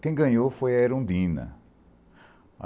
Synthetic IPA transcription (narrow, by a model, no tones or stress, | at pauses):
kẽj̃ɡɐ̃ɲofojɐeɾõnd̪ĩnɐ̰